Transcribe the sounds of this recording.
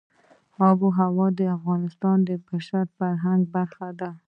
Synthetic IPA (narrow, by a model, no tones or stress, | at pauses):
ɑboɦawɑd̪əafɣɑnɪst̪ɑnd̪əpaʃaɾt̪faɾɦaŋɡ̚baɾxad̪a